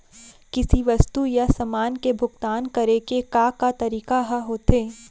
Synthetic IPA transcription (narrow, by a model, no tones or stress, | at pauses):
kɪsiʋɐst̪ujasɐmaːnkebʱʊɡt̪aːnkɐɾekekaːkat̪ɐɾiːkaɦaɦoːt̪eː